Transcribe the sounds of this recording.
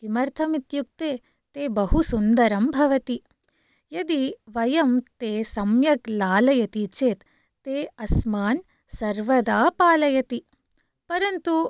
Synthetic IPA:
kimɐɾt̪ʰɐmit̪juk̚t̪eː | t̪eːbɐɦusund̪ɐɾɐmbʱɐʋɐt̪i | jɐd̪iʋɐjɐmt̪eːsɐmjɐklaːlɐjɐt̪it͡ʃeːt̪ː | eːɐsmaːn | sɐɾʋɐd̪aːpaːlɐjɐt̪i | pɐɾɐnt̪u

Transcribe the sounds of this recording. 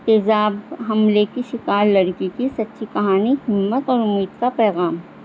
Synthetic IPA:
t̪eːzaːbɦɐmlekiʃɪkaːɾlɐɾkikisɐtːʃʰikɐɦaːniɦɪmːət̪ɔːɾʊmːiːd̪kapɛːɣaːm

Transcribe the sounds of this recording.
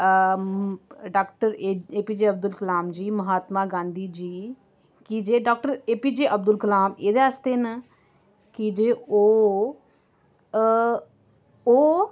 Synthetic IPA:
ɖaːkʈəɾeːpiːd͡ʒeːəb̚d̪ʊlkəlaːmd͡ʒiːməɦaːt̪maːɡãːnd̪iːd͡ʒiː | kɪd͡ʒeːɖaːk̚ʈəɾeːpiːd͡ʒeːʔəb̚d̪ʊlkəlaːmeːd̪east̪eːn | kɪd͡ʒeːoː | oː

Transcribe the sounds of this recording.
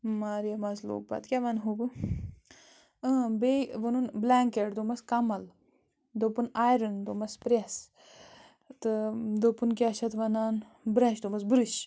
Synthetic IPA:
maːɾijɐmazlo̰k̚ba̰t̪kʲaʋɐnɦobɨ | ɐbeʋɐnunblaːŋkeʈd̪omɐskɐmɐl | d̪opunaːjɾɐnd̪omɐspɾes | t̪ɨd̪opunkʲaʃɐt̪ʋɐnaːn | bɾaːt͡ʃd̪omɐsbɾiʃ

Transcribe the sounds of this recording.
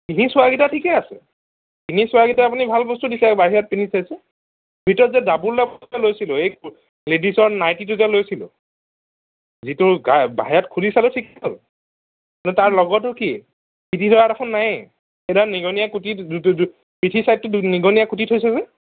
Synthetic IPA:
kinisʊwaɡitatʰikɛasɛ̰ | kinisʊaɡitaapunibʱalbɔstudisɛbaɦijat̚pinisajsɛ | bʱitɔɔzɛdabullɛpɛlojsilʊejk | ledisɔɹnajtit̬ʊzɛlojsilʊ̰ | zitʊɡaba̰ɦijatkʰulisalʊtʰikɔl | nɛtaɹlɔɡɔtʊki | kitidʱɔɹatakʰʊnːaj | edaniɡɔnijakuti | pitʰisajt̚tʊniɡɔnijakutitʰojsɛzɛ

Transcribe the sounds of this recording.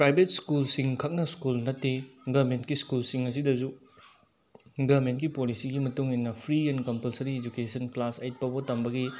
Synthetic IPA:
pɾajbʱet̚skulsiŋkʰɐk̚nɐskulnɐtːeɡɐbmentkiskulsiŋɐs̬idɐzu | ɡɐbmentkipolisiɡimɐtuŋinːɐpʰɾienkɐmpɐlsɐɾied͡ʒukesɐnklasejt̚pɐbotɐmbɐɡi

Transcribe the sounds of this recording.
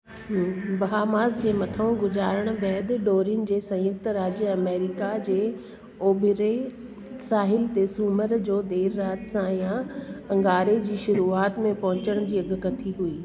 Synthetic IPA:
bɐɦaːmaːzd͡ʑeːmɐt̪ʰəũɡʊzaːɾəɽ̃bɛːd̪̆ɖoːɾɪʊnɪ̆d͡ʑeːsɐ̃jʊk̚t̪ɾaːd͡ʑəɐmeːɾɪkad͡ʑeː | oːbʱɪɾe | saːɦɪlt̪esuːməɾd͡ʑoːd̪eːɾːaːt̪sãjãɐ̃ŋɡaːɾed͡ʑiːʃʊɾuːaːt̪mẽpɐ̃ɦʊ̃t͡ɕəɽ̃d͡ʑiːɐɡkɐt̪ʰiɦuiː

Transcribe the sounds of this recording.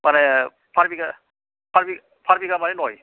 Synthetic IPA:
mana | pʰaɾbiɡa | pʰaɾbi | pʰaɾbiɡamanenɔj

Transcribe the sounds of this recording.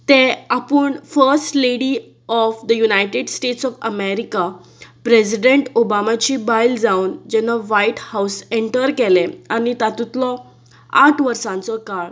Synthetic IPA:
t̪ẽapəɳfəɾsʈleɽiː | ɔfd̪əjunajʈeɖsʈeʈsɔfəmeɾika | pɾesiɖeɳʈobamat͡ɕibajld͡zawnd͡ʑɛnaʋajiʈhawseɳʈəɾkɛlẽañit̪at̪ut̪lɔ | aʈʰʋəɾsãnt͡sɔkaɭ

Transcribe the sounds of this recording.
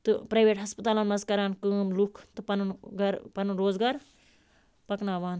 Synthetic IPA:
t̪ɨpɾɐːʋeːʈɦɐspɐt̪aːlanmɐzkɐɾaːnkəːmlukʰt̪ɨpɐnunɡɐɾpɐnunɾoːzɡaːɾ | pɐknaːʋaːn

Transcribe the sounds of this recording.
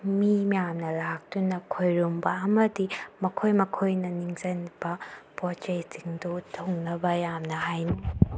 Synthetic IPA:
mimijamnɐlak̚tunɐkʰojɾumbɐːmɐdimɐkʰojmɐkʰojnɐniŋzɐnb̥ɐpɔt͡ʃɐjtiŋdutʰoŋnɐbɐjamnɐɦajn

